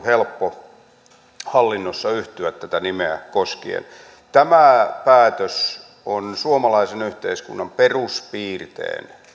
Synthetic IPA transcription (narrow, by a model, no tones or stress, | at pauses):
helpːo | hɑlːinːosːɑyht̪yæt̪t̪æt̪ænimeæ̰koskḭḛn | t̪æmæpæːt̪øs | onsuomɑlɑisenyht̪eiskṵnːɑmperuspiːrt̪ḛːn